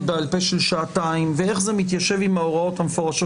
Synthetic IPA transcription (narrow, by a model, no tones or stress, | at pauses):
bealpejʃelʃaːtaimvee̞χzemit̪̬jaʃe̞vimaoʁao̞t̪hamefoʁaʃo